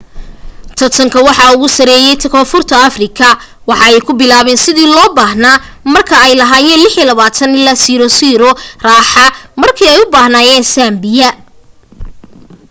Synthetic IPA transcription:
t̪ʰɐt̪ʰɐŋkʰɐwɑħɑʊɣʊsɐɾɛːjɛjt̪ʰɐkʰɔːfʊrt̪ʰɐɐfrɪkʰɐ | wɑħɑɛjkʰʊbɪlaːβɛːnsɪðiːlɔːbaːɦnaː | mɐrkʰɐɛjlɐɦaːjɛlɪħilɐβaːt̪ʰɐnɪlɐːsiːɾɔsiːɾɔraːħɑmɐrkʰiːɛjʊbaːhnaːjɛːnsaːmbɪjɐ

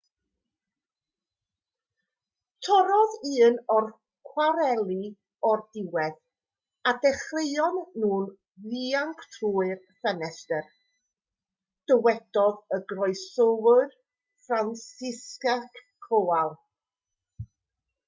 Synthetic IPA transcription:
tʰɔɾɔðiːnɔr | kʰwaɾɛlˠi | ɔrdɪwɛð | adɛχrejɔnːuːn | ðiːaŋkʰtʰruːɨr | fɛnɛstɛr | d̥əwɛd̥ɔðəɡrɔɨsɔwɨr | fransɪskakkʰoalˠ

